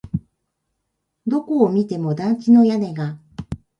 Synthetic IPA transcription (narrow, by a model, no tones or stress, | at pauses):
d̪o̞ko̞ːmʲit̪e̞mo̞d̪ãŋkʲino̞jane̞ɡa